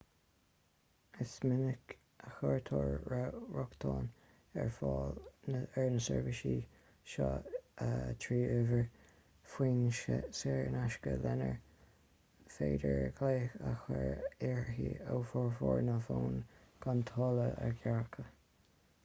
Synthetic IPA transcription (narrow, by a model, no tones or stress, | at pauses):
ɪsmɪnɪk | ʔəxɔɹt̪ʰɔːɹɹaɹʊkt̪ʰɑːn | ɛɹfɔ | ɛɹnəsɛɹvɪʃiː | ʃɑət̪ʰɹiːʔʊvəɹ | fwiːnʃsɛɹnaʃkəlɛnəɹ | feːdəɹɡleːxaxəɹɪɹhiowfɔːɹfɔːɹnəfoːnɡ̥ant̪ʰɔːləəɹɡaɹkʰə